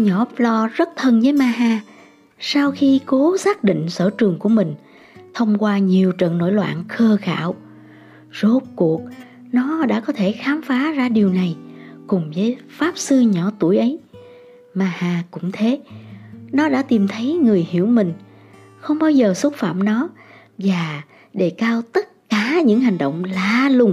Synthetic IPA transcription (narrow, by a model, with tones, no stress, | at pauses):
ɲɔ˧˩plɔ˧zə˦˥t̚t̪ʰə˧nvəː˨˦jmaː˧ɦaː˧˩ | saː˧wxi˧ko˨˦saː˦˥k̚ɗḭ˧˨ŋ̟sə̰ː˧˩t͡ɕɨ˨˩əŋku˧˩əmï˨˩ŋ̟ | t̪ʰə˧wŋ͡mkwaː˧ɲi˨˩əwt͡ɕə̰˧˨nːo̰˧˥˩jlwa̰ː˧˨nxəː˧xa̰ː˧˩˨w | zo˨˦˥t̚ku˨˩ək̚ | nɔ˨˦ɗa̰ː˧˥kɔ˨˦t̪ʰe˧˩xaː˨˦mfaː˨˦zaː˧ɗi˨˩əwna˨˩jkʊ˨˩ŋ͡mvəː˨˦jfaː˦˥p̚sɨ˧ɲɔ˧˩˦t̪u˧˩əjʔə˨˦j | maː˨˩haː˨˩kʊ̰˧˥ŋ͡mt̪ʰe˨˦ | nɔ˨˦ɗa̰ː˧˥t̪i˨˩mt̪ʰə˨˦jŋɨ˨˩əjhḭ˧˩˥əwmï˨˩ŋ̟ | xə˧wŋ͡mɓaː˧wzəː˨˩swə˦˥t̚fa̰ː˧˨mnɔ˨˦ | vaː˨˩ | ɗe˧˩kaː˧wt̪ə˦˥t̚kaː˧˩ɲɨ̰˧˥ŋɦa˨˩jŋ̟ɗə̰˧˨wŋ͡mlaː˨˦lʊ˨˩ŋ͡m